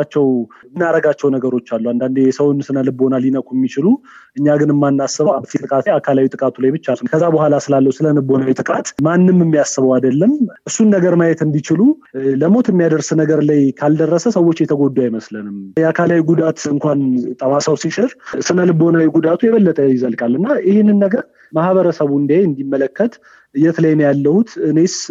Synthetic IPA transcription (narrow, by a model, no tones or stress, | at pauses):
at͡ʃːɛwnːaɾəɡat͡ʃːɛwnəɡəɾo̞t͡ʃːalːuand̪and̪ejɛsəwnsɨnəlɨbo̞naljinəkʼuɛmːit͡ʃɪlu | ʔɨɲːaɡɨnɨmːanːasːɨβəwaβt̪ʰet̪ʼɨkʼat̪akʰalawit̪ʼɨkʼat̪ʰulajbɨt͡ʃːalkʰəzːabəɦʷalasɨlalːəwusɨləlɨbːo̞nawit̪ʼɨkʼat̪manːɨmːɨmːijasːɨβəwad̪əlːəmʔɨsːunːəɡəɾmajɛt̪ɨnd̪it͡ʃɪlu | ləmo̞t̪ʰɨmːijad̪əɾsnəɡəɾlajkʰald̪ərːəsəsəwːo̞t͡ʃːjɛt̪ʰəɡo̞d̪ːuajməslənɨmjɛakʰalawiɡud̪at̪ɨŋkʷant̪ʼəmasəwsiʃɪɾsɨləlɨbo̞nawiɡud̪at̪ʰujɛβəlːət̪ʼəjɪzəlkʼalːɨnːajɪhɪnːɨnːəɡəɾ | mahβəɾəsəβuɨnd̪iajɨnd̪imːələkːət̪ | ɨjːɛt̪ʰələjːnjalːəhut̪ɨnes